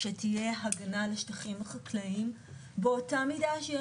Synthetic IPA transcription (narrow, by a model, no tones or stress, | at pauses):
ʃet̪ʰijeɦɐɡɐnaleʃt̪ɐχimχaklɐim | botamid̪aʃjɛ